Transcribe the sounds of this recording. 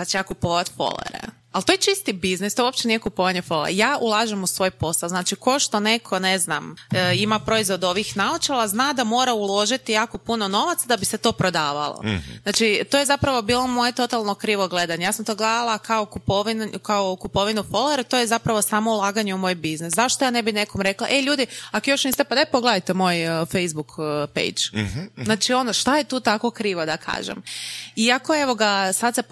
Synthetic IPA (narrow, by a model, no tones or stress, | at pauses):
sat͡ʃejakupoʋat̪fo̰lˠo̰ɾḛ | alt̪oːjet͡ʃist̪ibiznist̪ouopt͡ʃenijɛkupoʋaɲefolḛɾjaːʔulˠaʒemusʋo̞jpo̞salznaːt͡ʃiko̞ʃt̪o̞ne̞kʰo̞ne̞znamimapɾo̞izʋo̞d̪o̞ʋixnaot͡ʃelˠaznaːd̪amo̞ːɾaulˠo̞ʒit̪ijaːko̞punono̞ʋat̪sad̪abiset̪o̞ːpɾo̞d̪aːʋa̰lˠo̰znaːt͡ʃit̪oje̞zapɾaʋo̞biːlˠo̞mo̞jet̪o̞t̪alˠno̞kɾiːʋoɡle̞d̪aɲejaːsamt̪o̞ːɡlˠed̪alˠakaokupoʋinkaokupo̞ʋinufo̞loeɾt̪oje̞zapɾaʋo̞saːmo̞ulˠaːɡaɲeumo̞ːjbizneszaʃt̪ojaːne̞bine̞komɾe̞kla̰ʔeʎuːd̪iakojo̞ʃnist̪epad̪epoɡled̪ajt̪emo̞ːjfejzbukpḛjd͡ʒznaːt͡ʃio̞noʃt̪ajet̪uːt̪ako̞kɾiːʋod̪akʰa̰ːʒḛmiako̞eʋo̞ɡasad̪se